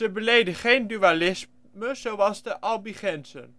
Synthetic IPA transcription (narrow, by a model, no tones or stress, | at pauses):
zəbəlejdəχejndyalɪs | məz̥owʋɑsdəʔɑlˠbiχɛnsə̰n